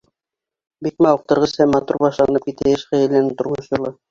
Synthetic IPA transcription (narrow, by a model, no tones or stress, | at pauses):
bik̪̚mæuq̚t̪ɤ̆ɾʁɤshæmːɑt̪uɾbɑʃlˠɑnɤp̚kit̪æɘʃχæjɘ̆lɘ̆nɘnt̪ŏɾmɤʃjŏlˠɤ